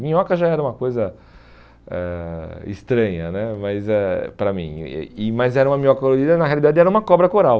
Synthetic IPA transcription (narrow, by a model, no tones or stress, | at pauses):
mĩɲɔkɐʒaɛɾɐũmɐkojzɐ | ɛɪ̰st̪ɾɐ̃ɲɐnɛmɐzɛpɾɐmḭ̃ɪmɐzɛɾɐũmɐmĩɲɐɔkɐkoloɾid̪ɐnɐhealid̪ad͡ʒɪɛɾɐũmɐkɔbɾɐkoɾaw